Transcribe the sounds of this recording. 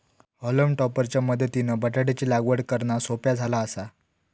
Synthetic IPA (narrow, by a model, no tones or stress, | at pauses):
ɔləmʈɔpəɾt͡ɕjaməd̪ʱːət̪inəbəʈaɽet͡ɕiːlaɡʋəɽkəɾɳasopjad͡zʱalaːsa